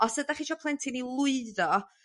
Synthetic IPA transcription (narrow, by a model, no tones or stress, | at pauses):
ɔsd̥ədaχiːʃɔpʰlˠɛntʰɪnilˠʊɨðɔ